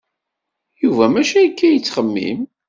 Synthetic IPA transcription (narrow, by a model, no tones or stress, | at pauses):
juvæmæʃæjkːæjət͡sːχəmːḭm